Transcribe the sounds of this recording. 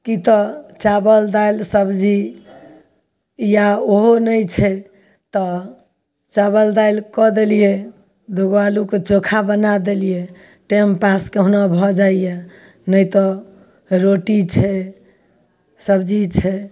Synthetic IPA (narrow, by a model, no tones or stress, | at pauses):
kit̪ɔt͡ʃabəld̪ajlsəbd͡ʒi | jaoɦonəjt͡ʃʰɛ | t̪ɔ | t͡ʃabəld̪ajlkɔd̪elije | d̪oɡwaluket͡ʃokʰabənad̪elije | ʈempaskeɦunabʱɔd͡ʒaije | nəjt̪ɔ | ɾoʈit͡ʃʰɛ | səbd͡ʒit͡ʃʰɛ